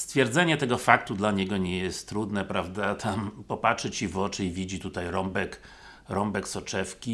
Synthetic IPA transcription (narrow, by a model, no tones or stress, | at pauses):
st̪fʲjɛɾd̪zɛɲɛt̪ɛɡɔfak̚t̪ud̪laɲɛɡɔɲɛjɛst̪ːɾud̪nɛpɾavd̪at̪ʰampɔpatʂɘt͡ɕivɔt͡ʂɘivʲid͡ʑit̪ut̪ajɾɔmbɛk | ɾɔmbɛksɔt͡ʂɛfkʲi